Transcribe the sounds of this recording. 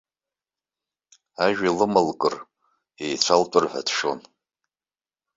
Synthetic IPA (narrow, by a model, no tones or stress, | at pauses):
aʒᶣalɨmɨlkʼɨr | ejt͡ɕʷʰaltʷʼʊrħʷa̰dʰʂon